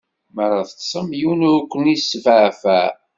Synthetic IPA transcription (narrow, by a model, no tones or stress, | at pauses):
məɾɑθət͡ssˤəmjunkʷːənisːvʕfæ̰